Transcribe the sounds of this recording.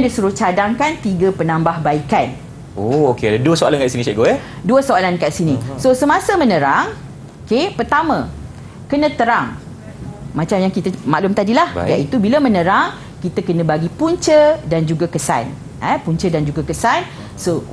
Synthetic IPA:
ndisuɾʊht͡ʃadaŋkant̪iɡəpənãmbahbaikan | ookedaduəsoalankaʔsinĩt͡ʃaʔɡoɛ | duəsoalankaʔsinĩsosəmãsəmə̃nə̃ɾaŋ | okepərt̪amə̃ | kənə̃t̪əɾaŋ | mãt͡ʃamjaŋkit̪əmaʔlʊmt̪adilahja̰ʔit̪ubiləmə̃nə̃ɾaŋ | kit̪əkənə̃baɡipuɲt͡ʃədand͡ʒuɡakəsa̰n | əpuɲt͡ʃədand͡ʒuɡakəsan | so

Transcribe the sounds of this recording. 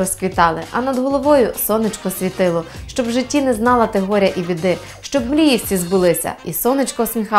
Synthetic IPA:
ɔskʋʲit̪ɑlˠɪ̰ʔɐnɐd̪ɦɔlˠɔʋɔjʊsɔnɪt͡ʃkɔsʲʋʲit̪ɪlˠɔʃt͡ʃɔbʒɪtʲːinɛznɑlˠɐt̪eɦɔɾʲjɐʔiʋʲid̪ɪ | ʃt͡ʃɔbmɾʲijiwsʲtʲizbʊlˠɪsʲɐ̰isɔnɪt͡ʃkɔsmʲixɑ

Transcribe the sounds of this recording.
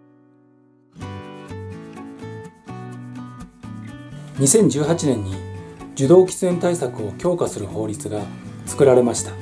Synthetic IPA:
ɲ̟isẽ̞ɲ̟d͡ʑɨːɦat͡ɕinẽ̞ɲ̟ːid͡ʑɨd̪o̞ːkʲi̥t͡sɨẽ̞nt̪aisakɯ̟o̞kʲo̞ːkasɨɾɯ̟ho̞ːɾʲit͡sɨɡat͡sɨ̥kɯ̟ɾaɾe̞maɕi̥t̪ḁ

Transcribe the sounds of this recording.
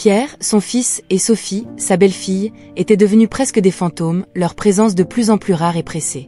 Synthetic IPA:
pjɛʁsɔ̃fisesɔfisabɛlfij | et̪ɛd̪əvənypχɛskəd̪efɑ̃t̪omlœʁpχezɑ̃s̬d̪əplyzɑ̃plyʁaʁepχese

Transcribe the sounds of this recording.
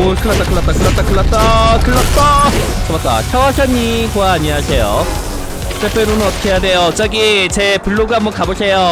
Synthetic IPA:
okʰɯɭːat͈akɯɭːat͈akɯɭːat͈akɯɭːat͈akɯɭːʌt̚t͈at͡ɕʌmat͈̚a̰çʰjʌwaɕʰʌɲːikoaːɲiasʰe̞jo | t͈epʰeɾonɯnʌt̪kʰejade̞jot͡ɕ͈aɡit͡ɕepuɭːoɡamwʌkabosʰe̞jo

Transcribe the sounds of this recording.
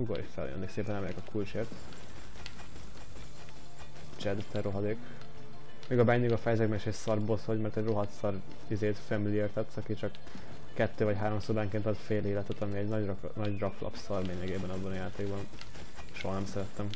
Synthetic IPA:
ɡoɾḭʃfɛ̰ljø̰nːiːkseːpɛnɛmɛɾɛkɒkʰult͡ʃeːrt̪ | t͡ʃɛd̪t̪ːɛro̞ɦɒd̪eːk | meːɡɒbɛɲːiɡɒfɛjzɛkmɛʃesɒrboshoɟmɛrt̪ɛɟro̞ɦɒt̪sɒr | izeːt̪fɛmilieːrt̪ɛt̪sɒkit͡ʃɒkː | ɛt̪ːøːvɒcɦaːɾo̞msoːbaːŋkeːnt̪ɒt̪feːleːlɛt̪ɛt̪ɒmiɛɟn | nɒɟrɒklɒ̰psɒrleːɲɛɡeːbɛnɒbːɒnɒjaːt̪eːɡbɒn | ʃoɦɒnɛmsɛɾɛt̪ːɛm

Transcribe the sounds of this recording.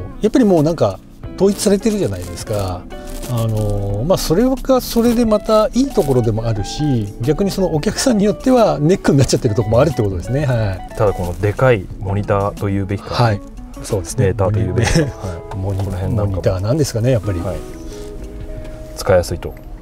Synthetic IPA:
japːaɾʲimo̞ːnãŋka | t̪o̞ːit͡sɨ̥saɾe̞t̪e̞ɾɯ̟ʑanaid̪e̞sɨ̥kaː | no̞maso̞ɾe̞βaɡaso̞ɾe̞d̪e̞mat̪aiːt̪o̞ko̞ɾo̞d̪e̞mo̞aɾɯ̟ɕiɡʲakɯ̟ɲ̟iso̞no̞ok̬ʲakɯ̟̥sãɲ̟ːijo̞t̪ːe̞βane̞kːɯɲinːat͡ɕːat̪ːeɾɯ̟t̪o̞komoaɾɯt̪ːeko̞t̪o̞d̪e̞sɨne̞hait̪ad̪ako̞no̞d̪e̞kai | moɲ̟it̪aːt̪o̞jɯ̟ːbe̞kʲi̥kahai | so̞ːd̪e̞sɨneːt̪aːoɯːbeimoɲ̟iẽmoɲ̟it̪aːnãnd̪esɨ̥kane̞japːaɾʲii | t͡sɨ̥kaijasɨit̪o̞̰

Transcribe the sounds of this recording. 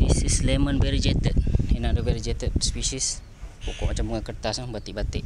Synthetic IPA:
ɾisislemənbɛɾd͡ʒɛt̪ət̪̚henadobɛɾd͡ʒɛt̪ət̪̚spisis | pokɔʔmat͡ʃambuŋakərt̪asŋbat̪iʔbat̪ɪʔ

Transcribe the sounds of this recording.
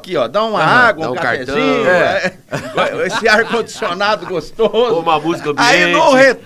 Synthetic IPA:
kiɔd̪aũmɐaɡwɐ̃ũkaɾka̰ɾɛʒĩɛɛ | esɪaɾkõd͡ʒisionad̪ʊɡost̪ozʊ̃mɐmuzikɐmaĩnʊhet̪

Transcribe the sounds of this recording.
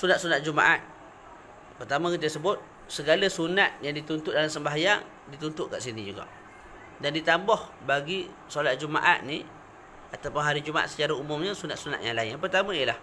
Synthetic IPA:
sunat̪̚sunat̪̚d͡ʒuma̰ʔat̪̚ | pərt̪amə̃kit̪̬əsəbʊt̪̚ | səɡaləsunat̪̚jaŋdit̪unt̪ʊʔdalamsəmbaɦajaŋ | dit̪unt̪ʊʔka̰ʔsinid͡ʒuɡa̰ʔ | dandit̪ambɔhbaɡi | solat̪̚d͡ʒuma̰ʔa̰t̪̚ni | at̪awpʊnɦaɾid͡ʒumaa̰sə̥t͡ʃaɾaumʊmɲəsunat̪̚suna̰t̪̚ja̰ŋlaɪɲanpərt̪amãijəlah

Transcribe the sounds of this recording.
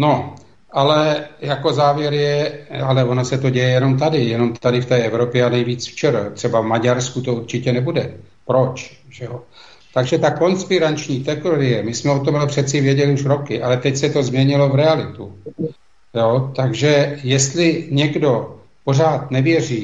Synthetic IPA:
no̞ | ʔalɛjako̞zaːvjɛɾjɛalɛvo̞nasɛt̪o̞ɟɛjɛjɛno̞mt̪adɪjɛno̞mt̪adɪft̪ɛːʔɛvɾo̞pjɛanɛjviːt͡sft͡ʃɛɾat̪r̝̥ɛbavmaɟaɾskut̪ouɾt͡ʃɪcɛnɛbudɛ | pɾo̞t͡ʃ | ʒ̥ɛjo | t̪aɡʒɛt̪ako̞nspɪɾant͡ʃɲiːt̪ɛkoɾɪjɛmɪsmɛo̞t̪ompr̥ɛt̪t͡sɪvjɛɟɛlɪuʃɾo̞kɪʔalɛt̪ɛcsɛt̪o̞zmɲɛɲɪlo̞vɾɛalɪt̪u | joːt̪aɡʒɛjɛst̪lɪɲɛɡdo̞ | po̞raːt̪nɛvjɛr̝iː

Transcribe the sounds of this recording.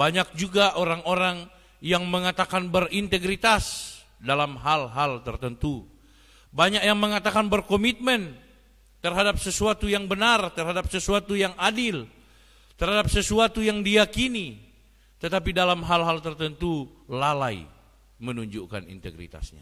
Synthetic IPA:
baɲak̚d͡ʒuɡaʔoɾaŋoɾaŋ | jaŋməŋat̪akanbərint̪əɡɾit̪as | dalamɦalɦalt̪ərt̪ənt̪u | baɲak̚jaŋməŋat̪akanbərkomit̪̚mɛn | t̪ərɦadap̚səsuat̪ujaŋbənart̪ərhɦadap̚səsuat̪ujaŋadil | t̪ərɦadap̚səsuat̪ujaŋdijakini | t̪ət̪apidalamɦalɦalt̪ərt̪ənt̪u | lalaḭ | mənuɲd͡ʒuka̰nḭnt̪ə̰ɡɾḭt̪a̰sɲa̰

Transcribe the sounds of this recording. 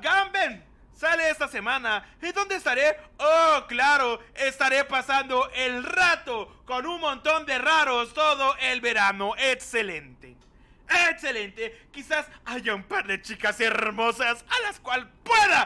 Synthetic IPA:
ɡamben | saleest̪ase̞mãnaed̪o̞nd̪eːst̪aɾeoklaɾoest̪aɾe̞pasand̪o̞ʔelrat̪oko̞nuŋmõ̞nt̪o̞nd̪e̞raɾo̞st̪o̞ðoʔelβe̞ɾanoʔekse̞lent̪ḛ | ekse̞lent̪ekisasaʝaumpaɾðe̞t͡ʃikaseɾmo̞sasalaskwalpweða

